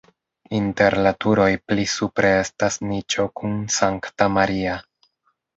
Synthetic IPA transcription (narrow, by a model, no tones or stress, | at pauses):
inte̞ɾlatuɾo̞jplisupɾe̞e̞stasnit͡ʃo̞kunsaŋktamaɾia